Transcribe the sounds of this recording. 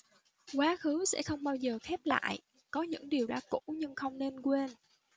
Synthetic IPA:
kwaː˨˦xɨ˨˦sɛ̰˧˥xə˧wŋ͡mɓaː˧wzəː˨˩xɛ˦˥p̚la̰ː˧˨jʔ | kɔ˨˦ɲɨ̰˧˥ŋɗi˨˩əwɗa̰ː˧˥kṵ˧˥ɲɨ˧ŋxə˧wŋ͡mne˧nkwe˧n

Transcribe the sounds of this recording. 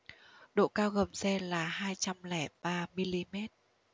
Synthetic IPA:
ɗo̰˧˨kaː˧wɣə˨˩msɛ˧laː˨˩haː˧jt͡ɕa˧mlɛ˧˩ɓaː˧mi˧li˧mɛ˦˥t̚

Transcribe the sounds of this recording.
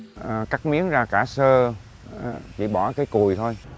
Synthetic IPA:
ʔə˨˩ka˦˥k̚mi˨˦əŋzaː˧˩kaː˧˩səː˧˨˩ | t͡ɕḭ˧˩ɓɔ˧˩kaː˨˦jku˨˩əjt̪ʰo˧j

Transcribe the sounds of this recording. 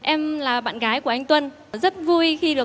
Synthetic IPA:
ʔɛ˧mlaː˨˩ɓa̰ː˧˨nɣaː˨˦jku˧˩əʔa˧jŋ̟t̪wə˧n | zə˦˥t̚vu˧jxi˧ɗɨ˨˩ə

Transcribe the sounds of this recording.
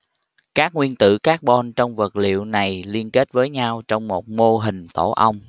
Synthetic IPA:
kaː˦˥k̚ŋwi˧ənt̪ɨ̰˧˨kaː˦˥k̚ɓɔ˧nt͡ɕɔ˧wŋ͡mvə˨˩t̚lḭ˧˨əwna˨˩jli˧ənke˦˥t̚vəː˨˦jɲa˧wt͡ɕɔ˧wŋ͡mmo˨˩t̚mo˧ɦï˨˩ŋ̟t̪o̰˧˩ʔə˧wŋ͡m

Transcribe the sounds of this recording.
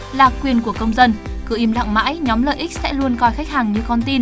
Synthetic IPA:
laː˨˩kwi˨˩ənku˧˩əkə˧wŋ͡mzə˧nkɨ̰˧˩ʔi˧mla̰˧˨ŋma̰ː˧˥jɲɔ˨˦mlə̰ː˧˨jʔi˦˥k̚sɛ̰˧˥lu˧ənkɔ˧˩jxa˦˥jk̚haː˨˩ŋɲɨ˧kɔ˧nt̪i˧n

